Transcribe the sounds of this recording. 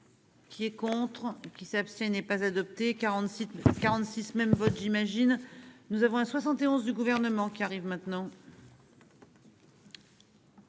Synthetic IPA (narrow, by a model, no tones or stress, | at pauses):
kʲʰiɛkɔ̃t̪χkʲisapst̪ʲjɛ̃nɛpazad̪ɔp̚t̪eʁɑ̃kaʁɑ̃t̪sismɛmvɔt̪ʒimaʒinnuzavɔ̃ɛ̃swasɑ̃t̪eɔ̃zd̪yɡuvɛʁnəmɑ̃kʲiaʁivmɛ̃t̪nɑ̃